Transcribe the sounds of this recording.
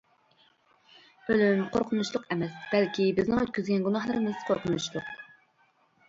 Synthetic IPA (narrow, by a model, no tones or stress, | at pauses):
ølymqʰoɾqʰʊnuʃlˠʊqɛmɛsb̥ɛlkʲibɪznɪŋøt̪̚kʲyzɡʲɛnɡunɑhlˠɨɾɨmɨsqʰoɾqʰʊnuʃlˠʊq